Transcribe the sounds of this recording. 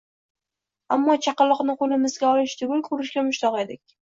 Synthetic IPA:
a̰mːɒt͡ʃʰɑqɑlːɒqnɪqolɪmɪzɡʲaɒlɪʃt̪ʰʊɡʲʊlkʰʊɾɪʃɡʲamʊʃt̪ʰɒʁed̪ɪkʲ

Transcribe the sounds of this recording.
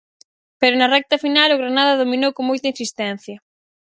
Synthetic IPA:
peɾʊnɐrɛk̚t̪ɐfinalʊɣɾanaðɐðominowkoŋmojt̪ɐinsist̪ɛn̟θjɐ

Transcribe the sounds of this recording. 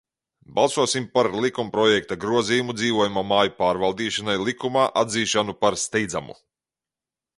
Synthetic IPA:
balˠsuɔsimpaɾlˠikumpɾɔjɛkt̪aɡɾuɔzijumud̪ziːvuɔjumamaːjupaːɾvalˠd̪iːʃanajlˠikumaːʔad̪ziːʃanupaɾst̪ɛjd̪za̰mṵ

